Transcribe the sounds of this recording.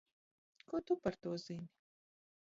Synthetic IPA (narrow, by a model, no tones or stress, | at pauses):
kot̪upɐɾt̪oːzini